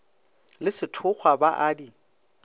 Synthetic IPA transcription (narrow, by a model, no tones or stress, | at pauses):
lɪsɪtʰʊk͡xʰwabaʔaːdi